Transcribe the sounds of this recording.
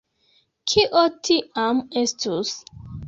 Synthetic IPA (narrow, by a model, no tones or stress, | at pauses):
kʰiʔɔtʰiamɛstus